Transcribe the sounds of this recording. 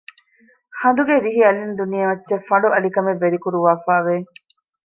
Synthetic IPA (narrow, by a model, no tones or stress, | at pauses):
hɐnd̪uɡeɾiɦiɐlind̪unijɐʋɐtːʃefːɐɳɖuʔɐlikɐmeʋːeɾikuɾuʋaːfaːʋe